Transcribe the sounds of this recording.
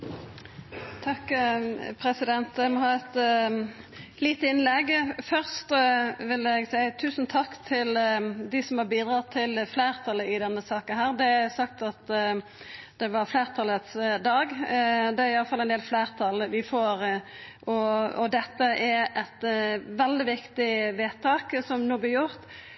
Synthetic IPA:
t̪ʰɑkː | pʰɾɛsɪd̪ɛnt̪ɛmɔɦɑːɛt̪ | liːt̪əɪnlɛɡfœʁst̪ʋɪlɛɡsæɪət̪ʰʉːsən̩t̪ʰɑkːt̪ʰɪld̪ɪsɔmhɑɾbiːd̪ɾɑt̪ʰːɪlflæːʁt̪ʰɑləɪd̪ɛnːəsɑːkənɦæːʁd̪ɛsɑk̚t̪ɑt̪ | d̪̥ɛʋɑɾfleːʁt̪ʰɑlət̪sd̪ɑːɡd̪ɛæɾɪɑlːəfɑlːɛɪnd̪eːlfleːɾt̪ʰɑlʋɪfoːɾʔɔɔd̪ɛt̪ːəʔæɾɛt̪ʋɛld̪ɪʋɪkt̪ɪʋeːt̪ʰɑːksɔmnuːblɪɾjʊɾt̪

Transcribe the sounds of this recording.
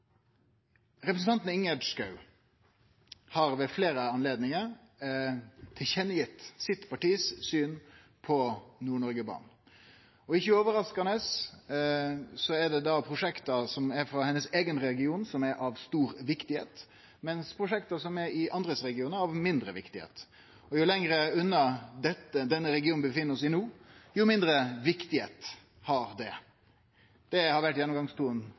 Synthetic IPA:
ɾɛpɾəsn̩t̪ɑnt̪n̩ɪŋɛd̪skɑʉ | hɑɾʋɛfleːɾəɑnleːd̪nɪŋəɾ | t̪ʰɪlçɛnːəjɪt̪ːsɪt̪pʰɑʈiːssyːn | pʰɔnuːɳɔɾɡəbɑ̰ːɳ | ɔɪçːəoːʋəɾɑskɑnəs | sɔɛd̪ɛd̪ɑpʰɾʊʂɛkt̪əsɔmæɾfɾɑhɛnːəseːɡənɾɛlɡɪuːnsɔmæɾʔɑʋst̪uːɾʋɪkt̪ɪhḛːt̪ | mɛnspʰɾʊʂɛkt̪əsɔmɛɾɪʔɑnd̪ɾəsɾɛɡɪuːnəɾɑʋmɪnd̪ɾəʋɪ̰kt̪ɪhḛːt̪ | ɔjʊlɛŋɾəʉnːəd̪ɛt̪ːəd̪ɛnːəɾɛɡɪuːn̩bəfɪnːəɾɔsʋɪnuːjʊmɪnd̪ɾəʋɪkt̪ɪhḛːt̪ | hɑɾd̪ɛ | d̪̥ɛhɑɾʋæʈːjɛnːɔmŋɡɑŋst̪ʰuːən

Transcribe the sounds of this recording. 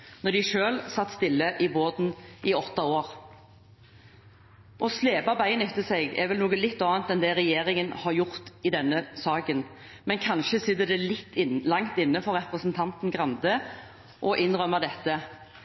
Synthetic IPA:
nɔɖ̪ɪʃøːlsɑt̪ːst̪ɪlːəʔɪboːd̪n̩ɪɔt̪ːɑoːɾ | ʔɔsleːbɑbæɪənɛt̪ːəsɛɡɛ̰ɾʋɛlnuːɡəlɪt̪ːɑːnt̪ɛnd̪ɛɾɛjeːɾɪŋənhɑɾjʊʁt̪ɪd̪ɛnːəsɑːkən | mɛnkʰɑnʃəsɪd̪əd̪ɛlɪt̪ːlɑŋt̪ɪnːəfɔɾʁɛpʁəsnt̪ʰɑnt̪n̩ɡʁɑnd̪ə | ʔɔʔɪnɾœməd̪ɛt̪ːə

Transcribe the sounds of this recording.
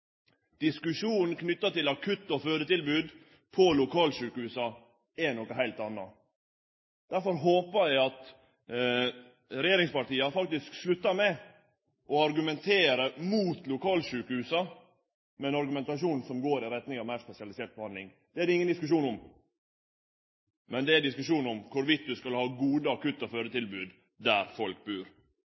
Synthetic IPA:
d̪̥ɪskʉʂuːnn̩kʰnʏt̪ːɑt̪ɪlɑkʰʉt̪ːɔføːd̪ət̪ɪlbʉːd̪ | pʰɔlʊkʰɑːlʂʉːkəhʉːsɑ | ɛnɔkəɦæɪlt̪ɑnːɑ | d̪̥æɾfɔɾɦoːpəɾjæɪɑt̪ | ɾɛjeːɾɪŋspɑʈiːəɑfɑkt̪ɪskslʉt̪ːɑɾmɛ | ʔɔɑɾɡʉmɛnt̪ʰeːɾəmuːt̪lʊkʰɑːlʂʉːkəhʉːsɑ | mɛɛnɑɾɡʉmɛnt̪ɑʂuːnn̩sɔmɡoːɾɪɾɛt̪nɪŋɑʋmæɪɾspɛsɪɑlɪsɪɛlt̪̚bhɑnd̪lɪŋ | d̪̥ɛæɾɪŋənd̪ɪskʉʂuːnɔm | mɛnd̪ɛæd̪ɪskʉʂuːnɔmkʰʊɾʋɪt̪̚d̪ʉskɑlhɑːɡuːd̪əɑkʉt̪ːɑføːɾət̪ɪlbʉːd̪ | d̪æɾfɔlk̚bʉːɾ

